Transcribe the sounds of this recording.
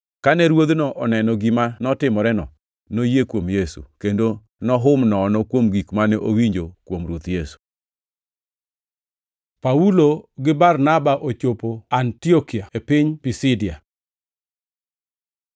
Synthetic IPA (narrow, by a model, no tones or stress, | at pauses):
kanɛɾwod̪nɔʔɔnɛnɔɡimanɔtɪmɔɾɛnɔ̰ | nojekwomjesṵkendo | nɔɦʊmnɔːnɔkwomɡikmanɛʔowiɲd͡ʒokwomɾot̪jesu̥ | pauloɡɪbarnabaʔot͡ʃopoantiokiaepɪɲpisɪdɪa